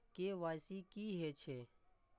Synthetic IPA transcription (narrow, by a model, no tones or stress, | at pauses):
keːʋaːjsiːkiːɦeːt͡ʃʰeː